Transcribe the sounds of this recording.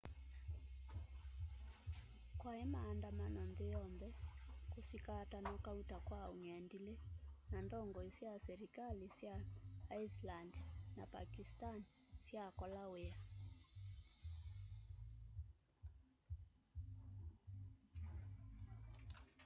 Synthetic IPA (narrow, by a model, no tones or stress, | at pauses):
kwaɛmaːndamanɔnðɛjɔmðɛkusikaːtanɔkautakwauɲandilɛnandɔŋɡɔisiasɛɾikalisjaːislandnapa̰kistansjakɔlawea